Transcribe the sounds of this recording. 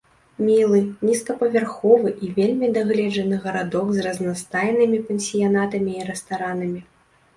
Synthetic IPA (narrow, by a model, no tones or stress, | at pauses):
mʲilˠɨnʲiskɐpɐvʲarxɔvɨʔivʲelʲmʲid̪aɣlʲɛd͡ʐɐnɨɣɐɾad̪ɔɡzrɐznast̪ajnɨmʲipʲɛnʲsʲijan̪at̪ɐmʲiːɾɛst̪aɾanɐmʲi